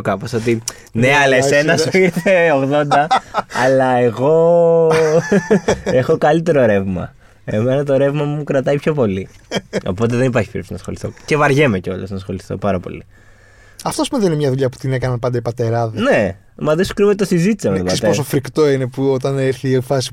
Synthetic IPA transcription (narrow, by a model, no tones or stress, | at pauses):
okɐpo̞sot̪i | neɐlese̞nɐssfiɾθeoɣðo̞nd̪ɐɐlɐe̞ɣo̞ | e̞xo̞kɐlit̪e̞ɾoɾe̞vmɐ̰ | e̞me̞nɐt̪o̞ɾe̞vmɐmukɾɐt̪ɐipço̞po̞lio̞̰po̞t̪̬eðe̞nip̬ɐɾçi̥fiɾesi̥nɐsxo̞liθo̞̰ce̞vɐɾʝemeceo̞̰losnɐsxo̞liθo̞̰pɐɾɐpo̞̰li | ɐft̪oɐspumuðeninemɲɐðuʎɐpu̥t̪inekɐnɐnpɐnd̪ɐipɐt̪eɾɐðene | mɐðiso̥kɾimet̪osizit̪i̥sɐmeðopsɐest̪pos̬ofɾikt̪o̞inepuot̪ɐneɾθiefɐsi̥